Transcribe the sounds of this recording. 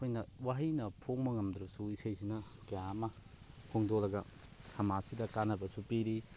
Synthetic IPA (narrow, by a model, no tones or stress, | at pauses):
kʰojnɐwaɦijnɐpʰoŋmɐŋɐmd̪ɾɐsuisɐjsinɐkɐjamɐ | kʰoŋdolɐɡɐ | samasidɐkanːɐbɐsupiɾi